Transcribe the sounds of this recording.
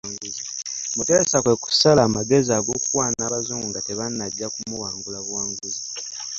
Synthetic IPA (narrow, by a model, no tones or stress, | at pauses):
ŋɡuzi | mutesakwe̞ku̥salaːmaɡe̞ziaɡo̞kukwaːnaːβazoːŋɡuŋɡateβanːadjakumuwaːŋɡulaβwaːŋɡuzi